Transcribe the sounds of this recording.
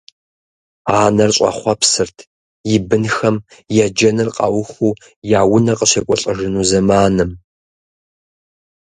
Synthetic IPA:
aːnɐrɕʷʼɐ̰χʷɐpsɨrtʰ | jɪbɨnxɐmjɛd͡ʒɐnɨrqʼɑ̰wʊxuː | jaːwʊnɐqʼəɕɐkʷʼɔɬʼəʒɪnuzɐmaːnɨm

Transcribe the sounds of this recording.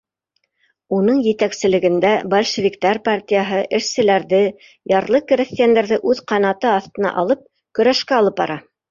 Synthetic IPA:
unɤɴjɘ̆t̪æksɘ̆lɘ̆ɡɘ̆nd̪æbɐlʲʃɘ̆vʲikt̪ɑɾpartʲijaɦɤʔɘ̆ʃsɘ̆læɾðɘ | jɑɾlˠɤkɘɾʲĕθt̪ʲjand̪ɘɾðɘʔʉðqɑnɑt̪ɤɑθt̪ɤ̆nɑ̰ʔɑlˠɤp̚ | kɵ̆ɾæʃkæɑlˠɤp̚bɑ̰ɾɑ

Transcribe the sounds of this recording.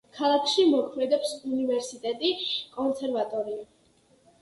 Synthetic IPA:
kʰalˠakʰʃimɔkʰmɛd̪ɛpsunivɛɾsit̪ʼɛt̪ʼikʼɔnsʰɛɾvat̪ʼɔɾia

